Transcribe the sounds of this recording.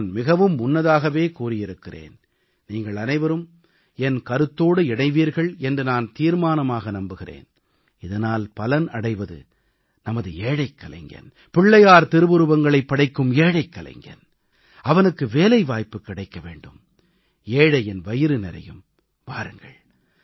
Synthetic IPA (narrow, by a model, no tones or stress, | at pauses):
nːnmɪɣɐʋɯmːʊnːɐðaːɣɐʋeːkuːrɪjɪɾɯkːɪrḛːn | niːŋɡɐɭɐnɐɪʋɐɾɯm | ɛnkɐɾɯt̪ːoːɽɯɪɽɐɪʋiːɾɣɐɭɛndrɯnaːnt̪iːɾmaːnɐmaːɣɐnɐmbɯɣɪrḛːn | ɪðɐnaːlpɐlɐnɐɽɐɪʋɐðɯ̰ | nɐmɐðɯeːɽɐɪkːɐlɐ̰ɪŋɡɐ̰n | pɪɭːɐjaːɾt̪ɪɾɯʋɯɾɯʋɐŋɡɐɭɐɪpːɐɽɐɪkːɯmeːɽɐɪkːɐlɐ̰ɪŋɡɐ̰n | ɐʋɐnɯkːɯʋeːlɐɪʋaːjpːɯkːɪɽɐɪkːɐʋḛːɳɖɯ̰m | eːɽɐɛnʋɐjɪɾɯnɛɾɐ̰jɯ̰m | ʋaːɾɯŋɡɐ̰ɭ